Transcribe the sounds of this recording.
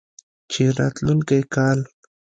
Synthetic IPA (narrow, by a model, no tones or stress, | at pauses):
t͡ʃɪɾat̪lʊnkajkal